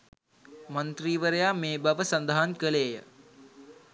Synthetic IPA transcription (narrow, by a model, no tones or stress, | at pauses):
mənt̪riːʋəɾəjaːmeːbaʋəsɐnd̪aɦankəleːjə̰